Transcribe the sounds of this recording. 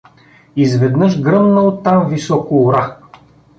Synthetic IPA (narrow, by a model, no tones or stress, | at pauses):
izvɛd̪nɤʃɡɾɤmnɐot̪ːamvisɔkʊːɾa